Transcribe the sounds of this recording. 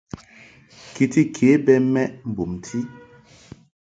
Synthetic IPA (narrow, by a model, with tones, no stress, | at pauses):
ki˨ti˦kʰe˨˦bɛ˦mɛ˦ʔm̩˨bu˨mtʰi˦